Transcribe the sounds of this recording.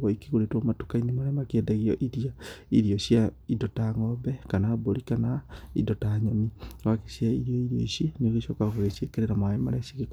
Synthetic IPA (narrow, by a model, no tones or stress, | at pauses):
ɣɔikiɣoɾetwomatukainemaɾɛmakeedaɣiɔʔiɾiaiɾiɔɕja | idɔtaŋɔbɛkanaboɾikanaḭdɔtaɲɔmiwakesjaiɾiɔiɾiɔ̰iʃeneoɣeʃokaɣoɣeʃiekeɾeɾamwaemaɾɛɕiɣek